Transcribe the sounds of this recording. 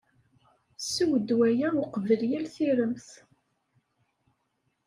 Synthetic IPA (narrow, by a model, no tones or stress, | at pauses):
suwəd̪ːwæjæwqvəljælθiɾəmθ